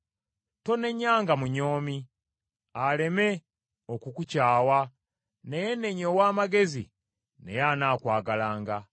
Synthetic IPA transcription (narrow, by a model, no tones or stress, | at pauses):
to̞ne̞ɲaːŋɡamuɲo̞ːmi | ale̞me̞ | okukucaːwa | nejene̞ɲowaːmaɡe̞zḭ | nejanaːkwaːɡalaːŋɡa